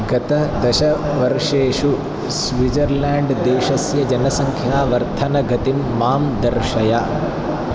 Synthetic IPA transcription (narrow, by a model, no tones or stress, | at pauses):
ɡɐt̪ɐd̪ɐʃɐ | ʋɐɾʂeːʂu | sʋid͡ʒɐɾlaːɳɖd̪eːʃɐsjɐd͡ʒɐnɐsɐŋkʰjaːʋɐɾt̪ʰɐnɐɡʱɐt̪imːaːmd̪ɐɾʂɐja